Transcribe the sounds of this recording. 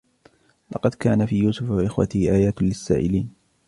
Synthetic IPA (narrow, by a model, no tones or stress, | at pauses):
lɑqɑd̪kaːnafiːjuːsʊfaʔɪxwa̰t̪ɪhʔaːjaːt̪lɪsːaːʔɪliːn